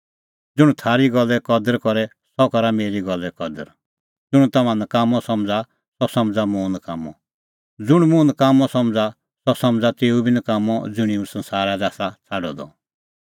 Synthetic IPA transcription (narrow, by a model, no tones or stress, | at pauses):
d͡zʊɽ̃ut̪ʰaːɾiɡɔlːɛkɔd̪əɾkɔɾɛ | sɔkɔɾameːɾiɡɔlːɛkɔd̪ə̰ɾ | d͡zʊɽ̃ut̪ɐmãnəkaːmɔsɔmd͡za | sɔsɔmd͡zamũːnkaːmɔ | d͡zʊɽ̃mũnəkaːmɔsɔ̃md͡za | sɔsɔ̃md͡zat̪eːubinəkaːmɔd͡zʊɽ̃ĩũsɐ̃nsaːɾad̪aːsat͡sʰaɖɔ̰d̪ɔ̰